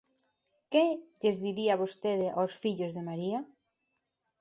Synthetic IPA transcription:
keʎezðiɾiaβost̪eðɪʔawsfiʎozðemaɾia

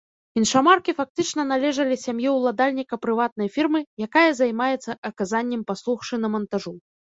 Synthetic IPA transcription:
inʂamarkʲifak̚t̪ɨt͡ʂn̪ɐnalʲɛʐɐlʲisʲamjɛwlˠad̪alʲnʲikɐpɾɨvat̪̚nɐjfʲirmɨjakajɐzajmajɛt̪sːɐʔɐkazanʲːɛmpaslˠuxʂɨnɐmɐnt̪aʐu

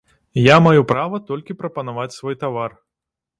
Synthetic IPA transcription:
jamajupɾavɐt̪ɔlʲkʲipɾɐpɐnavat͡sʲsvɔjt̪avar

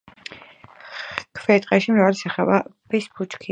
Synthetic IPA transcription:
kʰvɛt̪ʼqʼɛʃimɾavalisaχɛbabʰɛsbut͡ʃkʰi

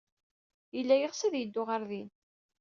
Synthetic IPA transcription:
jəlːæjəʁsæðjəd̪ːʊʁaɾðin

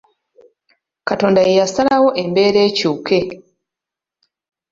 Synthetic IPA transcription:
kato̞ːndaijasalawo̞ʔe̞mbe̞ːɾe̞ːcuːke̞

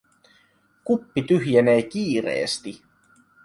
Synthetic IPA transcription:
kupːit̪yɦjeneːk̟iːrḛːst̪i

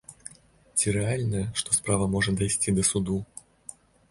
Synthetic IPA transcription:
t͡sʲiɾɛalʲnəjəʂt̪ɔspɾavəmɔʐɨt̪d̪ɐjsʲtʲid̪əsud̪u

